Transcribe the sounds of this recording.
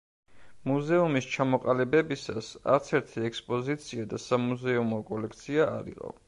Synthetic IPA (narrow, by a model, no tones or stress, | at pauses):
muzɛumist͡ʃʰamɔqʼalɛbɛbisasa̰ɾt̪sʰɛɾt̪ʰiɛkspʼɔzit̪sʰiad̪asamuzɛumɔkʼɔlɛk̚ʰt̪sʰia̰ːɾḭqʼɔ̰